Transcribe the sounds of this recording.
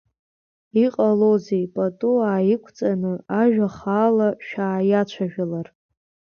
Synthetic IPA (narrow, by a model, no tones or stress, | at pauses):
iqʼalozejpʼatʼuaːjikʷʰt͡sʼanɨaʒᶣaχaːlaʃᶣaːjat͡ʃʷʰaʒᶣalar